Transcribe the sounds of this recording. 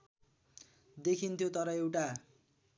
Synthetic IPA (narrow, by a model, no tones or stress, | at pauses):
d̪ekʰint̪ʰjot̪ʌɾʌewʈa